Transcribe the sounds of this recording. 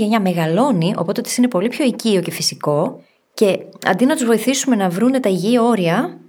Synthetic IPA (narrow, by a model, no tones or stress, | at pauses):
ʝeɲɐme̞ɣɐlo̞niʔo̞po̞t̪eot̪isine̞po̞lipço̞icio̞ce̞fisiko̞ | ce̞ɐ̰nd̪inɐt̪uzvo̞iθisume̞nɐvɾune̞t̪ɐiʝio̞ɾiɐ